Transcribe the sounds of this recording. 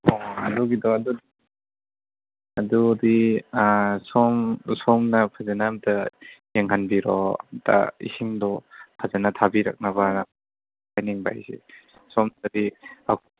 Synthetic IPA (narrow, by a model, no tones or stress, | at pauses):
ɔadɔɡidɔadudi | adudiasɔmsɔmnapʰazanamtajeŋɦanbiɾɔ̰mtʰa̰ḭhiŋdɔpʰazanat̪ʰabiɾa̰k̚naba | pajniŋba̰jzḭ | sɔmdaɾiak